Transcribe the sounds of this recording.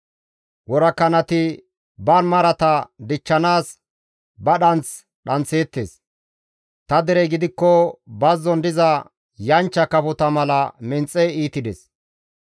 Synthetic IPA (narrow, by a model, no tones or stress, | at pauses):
wɔɾɐkːɐnɐt̪ɪ | bɐnmɐɾɐt̪ɐd̪ɪt͡ʃːɐnaːs | bɐɗɐnt͡s | ɗɐnt͡se̞ːt̪ːes | t̪ɐd̪ɪɾɛɡɪd̪ɪkːɔbɐzːɔnd̪ɪzɐ | jɐnt͡ʃːɐkɐpʊt̪ɐmɐlɐmɪnt͡sʼːɛiːt̪ɪd̪ɛs